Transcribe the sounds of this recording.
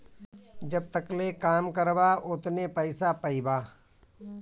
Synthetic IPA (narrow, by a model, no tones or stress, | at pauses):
d͡ʒɐb̚t̪əklekaːmkəɾbaʔʊt̪nepəɪsapɐibaː